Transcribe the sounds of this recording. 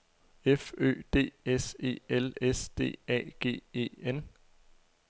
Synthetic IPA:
efø̰ːd̥e̝̰ːese̝̰ːelesd̥e̝̰ːɛ̰ːɡ̥e̝̰ːe̝̰ːen

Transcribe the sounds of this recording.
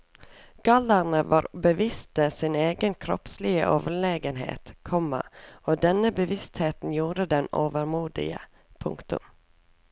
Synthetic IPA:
ɡ̥ɑləɾɳəʋɑːɾbəʋɪst̪əsɪneːɡənkʰɾɔ̰pslɪə̰ʔoːʋəɭeːɡənɦḛːt̪kʰɔmɑ̰oːd̪ɛnəbəʋɪst̪heːt̪n̩juːɾəd̪ɛnoːʋəɾmuːd̪ɪ̰ɡə̰ | pʰʊ̰ŋkt̪ʉ̰m

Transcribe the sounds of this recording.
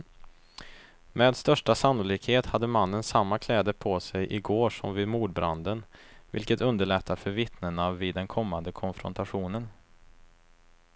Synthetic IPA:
mɛːd̪st̪œʂʈasanːʊliːkheːt̪had̪ːəmanːənsamːakʰlɛːd̪əpʰɔsɛjʔɪɡoːʂɔmvɪːd̪muːɖbɾand̪ənvɪ̰lkət̪ɵnd̪əɭɛt̪ʰːafœɾvɪt̪nəɳavɪːd̪ːɛnkʰɔmːand̪əkʰɔnfɾɔ̰nt̪ʰaɧuːnən

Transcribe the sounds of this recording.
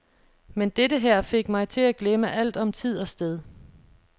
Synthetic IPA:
mend̥edəɦæɐ̰fe̝ɡ̥mɑ̈ɪt͡sʰe̝læɡ̥leməʔæl̰d̥ɒ̽mt͡sʰið̞̰ˠɒ̽sd̥eð̞ˠ

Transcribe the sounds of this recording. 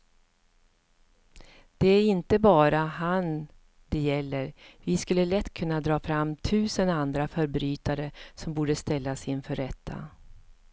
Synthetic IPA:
d̪̥ɛæɾɪnt̪əbɑːɾaɦan | d̪ɛjɛlːəɾvɪskɵlːəlɛt̪ːkʰɵnːad̪ɾɑːfɾamːt̪ʰʉ̟ːsənand̪ɾafœɾbɾyːt̪aɾəsɔmbuːɖəst̪ɛlːasɪnfœɾːɛt̪ʰːa̰

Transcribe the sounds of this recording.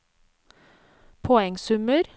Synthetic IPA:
pʰɔɛŋsʉməɾ

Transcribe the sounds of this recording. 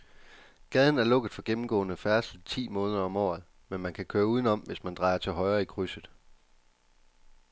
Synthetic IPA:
ɡ̥ɛð̞ˠn̩æɐlɔ̽ɡ̥əð̩ˠfɒ̽ɡ̥emm̩ɡ̥ɔ̰̽ːnəfæɐslid̥ˠt͡sʰḭːmɔ̽ːnðˠɐɒ̽mɒ̰ːð̩ˠ | menmænkʰækʰøːɐuːð̞ˠn̩ɒ̽mʋe̝smænd̥ʁɑ̈ɪɐt͡sʰe̝ɦɒ̽ɪʁɐːikʰʁysəð̩ˠ

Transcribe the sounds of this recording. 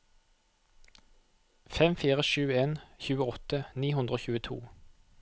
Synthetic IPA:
fɛmfiːʁəʃʉːeːnçʉːəɔt̪əniːhʉnd̪ʁoːçʉːət̪ʰṵː

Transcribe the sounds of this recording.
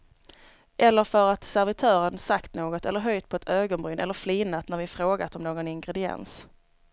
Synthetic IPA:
ʔɛlːəɾfœɾat̪sæɾvɪt̪ʰœːɾənsakt̪noːɡɔt̪ɛlːəɾɦœjt̪̚pʰɔɛt̪ʰøːɡɔnbɾʏnʔɛlːəɾflɪnːat̪næɾvɪfɾoːɡa̰t̪ɔmnoːɡɔnɪŋɡɾɛd̪ɪɛ̰ns

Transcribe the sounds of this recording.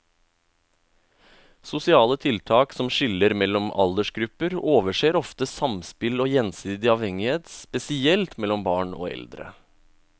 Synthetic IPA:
sʊsɪɑːlət̪ʰɪlt̪ʰɑːksɔmʃɪləɾmɛlːɔmɑ̰ld̪əʃɡɾʉpəɾoːʋəʂeːɾɔft̪əsɑmspɪloːjɛnsiːd̪ɪɑːʋhɛŋɪheːt̪spɛsɪɛlt̪mɛlɔmbɑːɳo̰ːɛ̰ld̪ɾə̰

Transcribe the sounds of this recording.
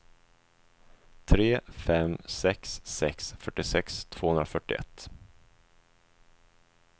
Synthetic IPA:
t̪ʰɾeːfɛmsɛksːɛksfœʈːɪsɛkst̪ʰv̥oːhɵnɾafœʈːɪ̰ɛ̰t̪ː

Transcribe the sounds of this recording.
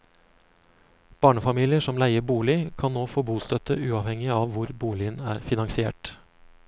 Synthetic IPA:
b̥ɑːɳəfɑmiːlɪəʂɔmlæɪəbuːlɪkʰɑnnoːfoːbuːst̪œt̪ə̰ʔʉːɑːʋhɛŋɪɑːʋʋʊɾbuːlɪənæːɾfɪnɑŋsɪḛːʈ

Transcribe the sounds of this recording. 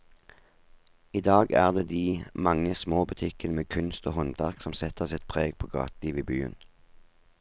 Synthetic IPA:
iːd̪ɑːɡæ̰ːʁd̪eːd̪iːmɑŋəsmoːbʉt̪ʰɪkənəmeːkʰʉnst̪oːhɔnd̪ɑʁksɔmsɛt̪əʁsɛt̪̚pʰʁeːɡpʰoːɡɑ̰ːt̪liːʋiːbyːə̰n

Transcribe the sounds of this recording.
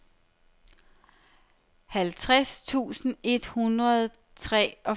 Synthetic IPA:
hælt͡sʰʁast͡sʰṵːsn̩e̝d̥hunʁɐð̩ˠ | t͡sʰʁɛ̰ɒ̽

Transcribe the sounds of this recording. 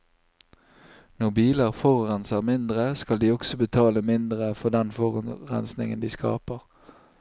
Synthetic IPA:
nɔʁbiːləʁfɔʁʁɛnsəʁmɪnd̪ʁəskɑld̪iːɔksɔbət̪ʰɑːləmɪnd̪ʁəfɔʁd̪ɛnfɔʁʉnʁɛ̰nsnɪ̰ŋənd̪iːskɑ̰ːpəʁ

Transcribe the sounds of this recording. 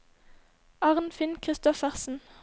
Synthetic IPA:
ɑʁnfɪnkʰʁɪst̪ɔfæʁsn̩

